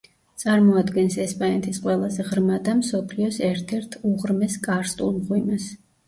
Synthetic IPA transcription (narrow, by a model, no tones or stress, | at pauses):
t̪sʼaɾmɔad̪ɡɛnsɛspʼanɛt̪ʰisqʼwɛlˠazɛʁɾmad̪amsɔpʰliɔsɛɾt̪ʰɛɾt̪ʰuʁɾmɛskʼaɾst̪ʼulˠmʁwinas